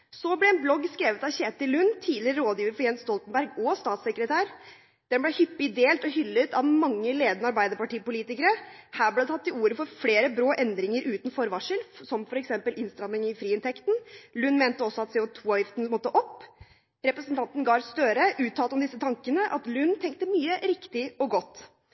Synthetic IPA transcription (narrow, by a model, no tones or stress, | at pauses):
sɔblɛɛnblɔɡːskɾeːʋət̪ɑʋçeːt̪ɪlʉnːt̪ʰiːlɪɾəɾoːd̪jiːʋəɾfɔɾjɛnst̪ɔlt̪nbæɾɡɔst̪ɑːt̪səkɾət̪ʰæːɾ | d̪̥ɛnblɛhʏpːɪɪd̪eːlt̪ɔhʏlːət̪ɑʋmɑŋːəleːd̪ənəɑɾbæɪd̪əɾpɑʈiːpʊliːt̪ɪkəɾəhæːblɛd̪t̪ʰɑt̪ːɪluːɾəfɔɾfleːɾəbɾoːʔɛnd̪ɾɪŋəɾʔʉːt̪n̩fɔɾʋɑʂəlsɔmfɔɾɛksɛmpəlʔɪnst̪ɾɑmnɪŋɪfɾiːɪnt̪ʰɛkt̪n̩lʉnːmeːnt̪əɔsːɔɑt̪sɛːʊt̪ʰuːɑːʋjɪft̪nmɔt̪ːəʔɔpː | ɾɛpɾəsnt̪ʰɑnt̪n̩ɡɑːɾst̪øːɾəʔʉːt̪ʰːɑːlt̪ɔmd̪ɪsːət̪ʰɑŋkənəʔɑ̰t̪lʉnːt̪ʰɛŋk̚t̪əmyːəɾɪkt̪ɪɔɡɔt̪ː